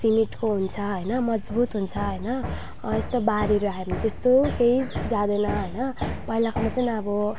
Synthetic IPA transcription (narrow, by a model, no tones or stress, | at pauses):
simiʈkoɦunt͡sʰʌɦʌjnʌmʌd͡zbut̪ɦunt͡sʰʌɦʌjnʌ | est̪obaɾiɾaɦebʌnit̪est̪okeid͡zãd̪ejnʌɦʌjnʌpʌɦilakʰamat͡saniʌbʌ